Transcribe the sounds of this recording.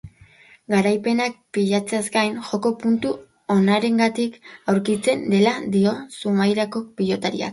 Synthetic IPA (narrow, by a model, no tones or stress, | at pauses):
ɡaɾajpe̞nak̚piʎat͡seazɡajnʝo̞ko̞punt̪u | o̞naɾe̞ŋɡat̪ikawɾkit͡se̞nd̪e̞lad̪io̞sumajɾako̞piʎo̞t̪aɾia̰k